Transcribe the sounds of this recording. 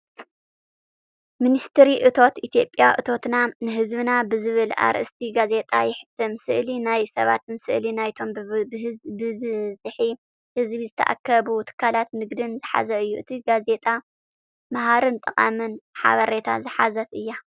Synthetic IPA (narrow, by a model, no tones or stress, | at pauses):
minist̪ʰɨɾiʔɨt̪ʰo̞t̪ʔit̪ʰijo̞pʼːjaʔɨt̪ʰo̞t̪nanɨɦɨzβɨnabɨzɨβɨla̰ɾʔɨst̪ʰiɡaze̞t̪ʼajɪħɨ̥t̪ʰːɨmsɨʔlinajsɐβa̰t̪ɨnsɨʔlinajt̪ʰo̞m | bɨβzɨħi | hɨzβizɨt̪ʰɐʔa̰kʰːɐβut̪ʰɨ̥kʰːalat̪nɨɡd̪ɨnzɨħa̰zɐɨjːuʔɨt̪ʰiɡaze̞t̪ʼa | maɦaɾɨnt̪ʼɨqʼa̰mɨnħa̰βɐɾet̪ʰa̰zɨħazɐt̪ɨjːa